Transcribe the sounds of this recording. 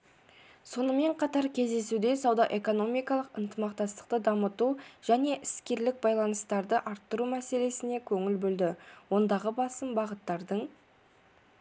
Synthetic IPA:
so̞nəme̞ɴqʰɑt̪ɑɾkʲʰe̞zd̪e̞sud̪e̞sɑwd̪ɑʔe̞ko̞no̞mijkɑlˠəqənt̪əmɑq̚t̪ɑst̪ə̥qt̪əd̪ɑmət̪uʒ̥æne̞ʔɪskʲe̞ɾlɪk̚bɑjlˠɑnəst̪ɑɾd̪əʔɑɾt̪ːəɾumæse̞le̞sɪne̞kʲʰɵŋɪlbɵld̪ɪwo̞nd̪ɑʁəbɑsəmbɑʁət̪ːɑɾd̪əɴ

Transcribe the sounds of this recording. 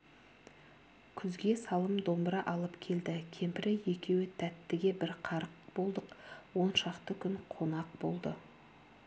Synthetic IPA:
kʲʰʏzɡʲe̞sɑlˠəmd̪o̞mbɾɑʔɑlˠəpkʲʰe̞ld̪ɪkʲʰe̞mpɪɾɪje̞kʲe̞wɪt̪ʰæt̪ːɪɡʲe̞bɪɾqʰɑɾəq̚bo̞lˠd̪əqwo̞nʃɑqt̪əkʲʰʏŋqʰo̞nɑq̚b̥o̞̰lˠd̪ə̰

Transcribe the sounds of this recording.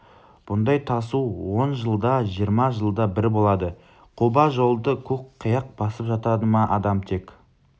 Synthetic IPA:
b̥ʊnd̪ɑjt̪ʰɑsuwo̞nʒəlˠd̪ɑʒijəɾmɑʒəlˠd̪ɑbɪɾbo̞lˠɑd̪ə | qʰubɑʒo̞lˠd̪əkʲʰɵkqʰːəjɑq̚b̥ɑsəpʒɑt̪ɑd̪əmɑʔɑd̪ɑmt̪ʰe̞k

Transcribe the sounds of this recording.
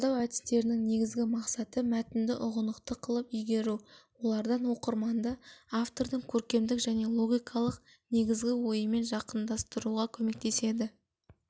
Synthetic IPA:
d̪ɑwæd̪ɪ̥st̪e̞ɾɪnɪŋne̞ɡʲɪzɡʲɪmɑqsɑt̪əmæt̪ɪnd̪ɪʔʊʁənəqt̪əqʰəlˠəpʏjɡʲe̞ɾuwo̞lˠɑɾd̪ɑnwo̞qəɾmɑnd̪ɑaft̪o̞ɾd̪əŋkʲʰɵɾkʲe̞md̪ɪkʒæne̞lˠo̞ɡʲijkʰɑlˠəq | ne̞ɡʲɪzɡʲɪwo̞jəme̞nʒɑqənd̪ɑst̪əɾuʁɑkʲʰɵme̞k̚t̪e̞se̞d̪ɪ

